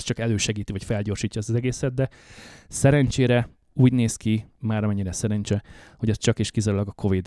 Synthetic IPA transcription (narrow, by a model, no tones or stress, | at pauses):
st͡ʃɒkɛløːʃɛɡiːt̪ivɒcfɛlɟoːrʃiːcːɒɛst̪zɛɡeːsɛd̪̚d̪ɛ | sɛɾɛnt͡ʃeːɾɛ | uːɟneːskimaːɾɒmɛɲːiɾɛsɛɾɛnt͡ʃɛho̞ɟɛst͡ʃɒkeːʃkizaɾulɒɡɒkʰo̞vid̪